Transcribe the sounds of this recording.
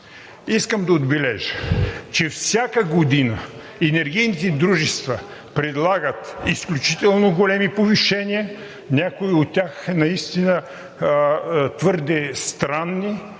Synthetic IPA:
iskəmd̪ɐod̪bɛlɛʒət͡ʃɛfsʲjakəɡod̪inə | ɛnɛɾɡ̟ijnit̪ɛd̪ɾuʒɛst̪vɐ | pɾɛd̪lˠaɡət̪isklʲut͡ʃit̪ɛlˠnoɡolɛmipoviʃɛnʲiə | nʲakʊiot̪ʲːaxnɐist̪inə | t̪vəɾd̪ɛst̪ɾanːi

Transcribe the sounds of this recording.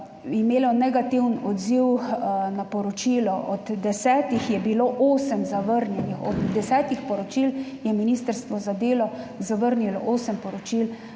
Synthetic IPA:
imeːlɔnɛɡat̪iwnɔd̪ziwnapɔɾɔt͡ʃiːlɔʔɔd̪ːɛsɛːt̪ixjɛbiloːʔoːsəmzaʋəɾnjɛnixɔd̪d̪ɛsɛːt̪ixpɔɾɔt͡ʃiːljɛminiːst̪əɾst̪ʋɔzad̪eːlɔzaʋəɾnilɔ̰ʔoːsəmpɔɾɔt͡ʃil

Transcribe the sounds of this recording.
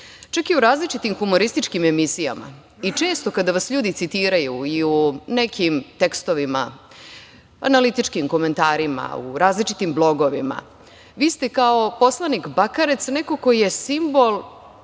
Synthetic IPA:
t͡ʃakiuɾaːzlit͡ʃit̪imxumo̞ɾist̪it͡ʃkime̞misija̰ma̰ | it͡ʃe̞ːst̪o̞kad̪aʋasʎuːd̪it̪sit̪iːɾajuiunekʰimt̪ekst̪o̞ʋima̰ | a̰nalit̪it͡ʃkimko̞me̞nt̪aːɾima̰ṵɾaːzlit͡ʃit̪imblˠo̞ɡo̞ʋima̰ | ʋiːst̪ekaopo̞slˠanikbakaɾet̪sneko̞kojje̞simbolˠ

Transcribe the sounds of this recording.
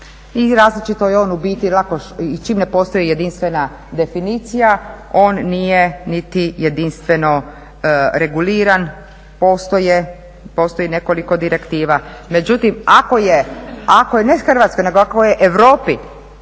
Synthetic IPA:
iɾaːzlit͡ʃit̪o̞jeo̞ːnubiːt̪ilˠakoʃit͡ʃiːmne̞po̞ːst̪o̞jijed̪inst̪ʋe̞na | d̪e̞finit̪sijao̞ːnːijenit̪ije̞d̪inst̪ʋe̞no̞ | ɾe̞ɡuliːɾan | po̞ːst̪o̞je | po̞ːst̪o̞ine̞ko̞liko̞d̪iɾe̞kt̪iːʋame̞d͡ʒut̪imako̞jeakojenexr̩ʋat̪sko̞jne̞ɡoakojeʔeʋɾo̞ːpi

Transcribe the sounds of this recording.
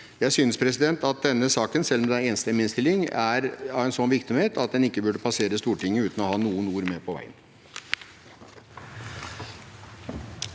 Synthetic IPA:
jæɪsʏnəspʰɾɛs̬ɪd̪ɛnt̪ɑt̪̚d̪ɛnːəsɑːkənsɛlːmɛd̪ɛneːnəst̪əɛmɪnst̪ɪlːɪŋæɾɑʋɛnsɔnʋɪɾksɔmheːt̪ʰɑt̪̚d̪ɛnɪkːəbʉɖəpʰɑseːɾəst̪uːʈɪŋːəʉːt̪n̩ɔhɑːnuːənuːɾmeːpʰɔʋæ̰ɪə̰n

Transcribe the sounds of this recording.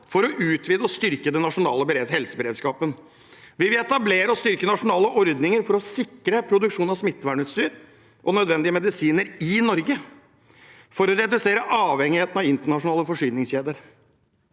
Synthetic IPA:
fɔɾɔʔʉːt̪ʰʋiːd̪əɔst̪ʏɾkəd̪ɛnːɑʂʊnɑːləbəɾehɛlsəbəɾeːd̪skɑːpən | ʋɪlʋɪɛt̪ɑbleːɾəɔst̪ʏɾkənɑʂʊnɑːləʔɔɾd̪nɪŋəɾfɔɾɔsɪkɾəpʰɾʊd̪ʉkʂuːnɑsmɪt̪ːəʋæːɳʉːt̪st̪yːɾ | ʔɔnœd̪ʋɛnd̪ɪəmɛd̪ɪsiːnəɾɪnɔɾɡə | fɔɾɔɾɛd̪ʉseːɾəʔɑːʋhɛŋːɪheːt̪nɑʋɪnt̪əɳɑʂʊnɑːləfɔʂyːnɪŋsçeːd̪əɾ

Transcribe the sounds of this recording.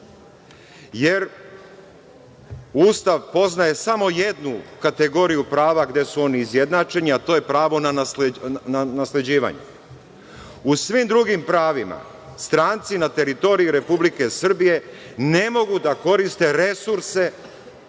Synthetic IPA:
je̞ɾ | uːst̪aʋpo̞znaje̞samo̞je̞d̪nukat̪e̞ɡo̞ɾijupɾaːʋaɡd̪e̞suo̞niːzje̞d̪nat͡ʃe̞ɲiat̪o̞je̞pɾaːʋo̞naaanasle̞d͡ʑiːʋa̰ɲṵ | usʋimd̪ɾuɡimpɾaːʋima̰ | st̪ɾaːnt̪sinat̪e̞ɾit̪o̞ɾijuɾe̞publike̞sr̩bije̞ne̞mo̞ɡud̪ako̞ɾist̪e̞ɾe̞suɾse̞

